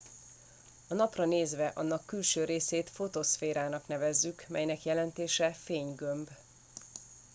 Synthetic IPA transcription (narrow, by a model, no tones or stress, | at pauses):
ɒnɒprɒneːzʋɛʔɒnːɒkːylʃøːɾeːseːt̪fo̞t̪osfeːɾaːnɒknɛvɛzːykmɛjnɛkjɛlɛnt̪eːʃɛfeːɲɡømb